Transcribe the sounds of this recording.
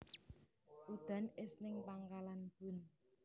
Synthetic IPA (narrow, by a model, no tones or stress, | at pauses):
ʔud̪̥a̤nɪsnɪŋpaŋkalanb̥ṳn